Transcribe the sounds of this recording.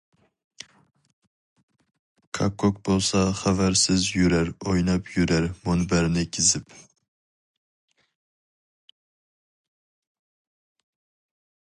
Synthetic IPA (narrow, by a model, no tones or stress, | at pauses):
kʰakʰːok̚bolˠsɑχavaɾsɪzjʊɾaɾojnɑpjʊɾaɾmɒnbaɾnɪkʲʰɪzɪp